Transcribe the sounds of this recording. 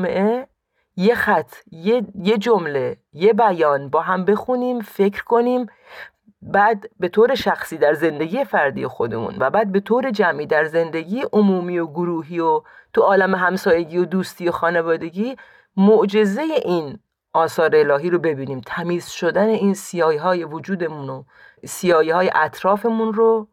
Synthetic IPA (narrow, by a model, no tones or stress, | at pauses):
meʔe | je̞xæt̪ʰːjejed͡ʒomle̞je̞bæjɒːnbɒːɦæmbe̞xuniːmfe̞cʰɾkʰo̞niːm | bæd̪be̞t̪ʰoːɾe̞ʃæxsiːd̪æɾze̞nd̪e̞ɡʲiːje̞fæɾd̪ḭjexo̞d̪e̞̰mṵːnvæbæːd̪̚be̞t̪ʰoːɾe̞d͡ʒæmʔiːd̪æɾze̞nd̪e̞ɟiːjeʔomuːmiːo̞ɡoɾuːɦiːot̪ʰuɒːlæmeɦæmsɒːje̞ɡiːod̪uːst̪iːo̞xɒːne̞vɒːd̪e̞ɡiː | moʔd͡ʒe̞ze̞je̞ʔiːn | ʔɒːsɒːɾeelɒːɦiːɾo̞be̞biːniːmt̪ʰæmiːzʃod̪æne̞iːnsijɒːjɦɒːje̞vod͡ʒuːd̪e̞muno | sijɒːjihɒːje̞̰ʔæt̪ʰɾɒːfe̞munɾo